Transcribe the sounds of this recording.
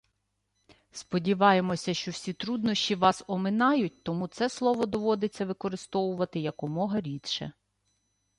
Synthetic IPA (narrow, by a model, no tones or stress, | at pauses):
spɔdʲiʋɑje̞mɔsʲɐʃt͡ʃɔwsʲit̪ɾud̪nɔʃʲt͡ʃʲiʋɑsɔmɪnɑjʊt̚ʲt̪ɔmut̪sɛslˠɔʋɔd̪ɔʋɔd̪et͡sʲːɐʋɪkɔɾɪst̪ɔʋʊʋɐt̪ɪjɐkɔmɔɦɐɾʲit̪ʃɛ̰